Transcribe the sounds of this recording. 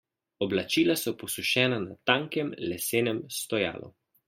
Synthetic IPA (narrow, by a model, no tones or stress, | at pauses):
ɔblat͡ʃiːlasɔpɔsuʃɛːnanat̪aːŋkɛmlɛseːnɛmst̪ɔja̰ːlʔṵ